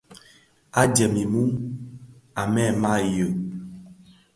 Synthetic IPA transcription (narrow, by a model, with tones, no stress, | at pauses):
a˦d͡ʒɛ˨mi˨mu˦ | a˨mɛ˦˨ma˦jə˨